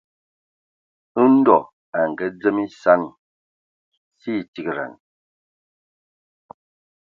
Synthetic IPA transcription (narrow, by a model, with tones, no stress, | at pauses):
n̩˦dɔ˨ | a˨ŋ˨ɡə˨˦d͡zə˦mi˦sa˦n | si˦˨ti˦kɾa̰˨n